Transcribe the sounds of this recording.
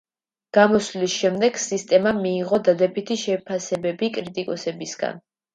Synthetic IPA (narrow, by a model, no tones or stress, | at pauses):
ɡ̥amɔslisʃɛmd̪ɛɡ̥sist̪ʼɛmamiːʁɔd̪ad̪ɛbit̪ʰiʃɛpʰasɛbɛbikʼɾit̪ʼikʼɔsɛbisɡa̰n